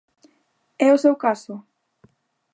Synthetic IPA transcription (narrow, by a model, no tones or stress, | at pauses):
ɛʊsewkasʊ